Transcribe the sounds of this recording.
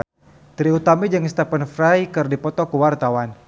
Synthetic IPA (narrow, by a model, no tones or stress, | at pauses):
t̪ɾiut̪amid͡ʒɨŋst̪apənfɾajkɨrdipɔt̪ɔkuwart̪awan